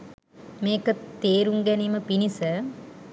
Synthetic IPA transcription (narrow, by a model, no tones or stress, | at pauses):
meːkɐt̪eːɾuŋɡɛniməpinisə